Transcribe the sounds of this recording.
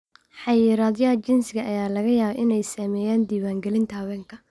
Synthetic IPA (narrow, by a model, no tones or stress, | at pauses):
ħɑjɪːɾaːd̪jɐɐt͡ʃɪnsɪɣɐʔɐjaːlɐɣɐjaːβɐʔɪnɛjsaːmɛːjaːnd̪iːwaːŋɡɛlɪnt̪ʰɐhɐwɛːŋkʰɐ